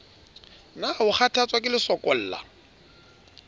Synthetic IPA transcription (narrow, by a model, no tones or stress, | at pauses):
nahʊχatʰat͡sʼwakʼɪlɪsɔkʼɔl̩ːla̰